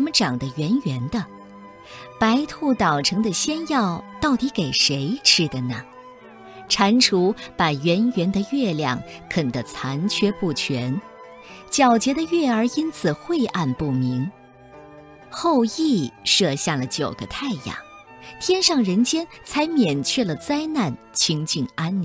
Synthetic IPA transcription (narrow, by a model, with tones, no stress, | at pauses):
mə˧ʈ͡ʂɑ˨˩ŋd̪ə˦ɥɛ˧˥nɥɛ˧˥nd̪ə˧ | pa˧˥ɪt̪ʰu˥˩t̪ɑ˨˩ʊʈ͡ʂʰɤ˧˥ŋd̪ə˧ɕjɛ˥njɑ˥˧ʊt̪ɑ˥˩ʊt̪i˧˥ke˨˩ɪʂe˧˥ɪʈ͡ʂ̩ʰ˥d̪ə˨nə˩ | ʈ͡ʂʰa˧˥nʈ͡ʂʰu˧˥pa˨˩ɥɛ˧˥nɥɛ˧˥nd̪ə˧ɥɛ˥˧ljɑ˥˩ŋkʰə˨˩nd̪ə˧t͡sʰa˧˥nt͡ɕʰɥɛ˥pu˥˩t͡ɕʰɥɛ˧˥n | t͡ɕjɑ˨˩ʊt͡ɕjɛ˧˥d̪ə˧ɥɛ˥˩ə˞˧˥i˥nt͡sʰɹ̩˨˩xwe˥˧ɪʔa˥˧npu˥˩mi˧˥ŋ | xo˥˧ʊi˥˩ʂɤ˥˧ɕja˥˩lə˩t͡ɕjo˨˩ʊɡə˦t̪ʰa˥˧ɪjɑ̰˨˩ŋ | t̪ʰjɛ˥nʂɑ˥˩ŋɻə˧˥nt͡ɕjɛ˥nt͡sʰa˧˥ɪmjɛ˨˩nt͡ɕʰɥɛ˥˩lə˩t͡sa˥ɪna˥˩nt͡ɕʰi˥ŋt͡ɕy˥˩na˥ni˩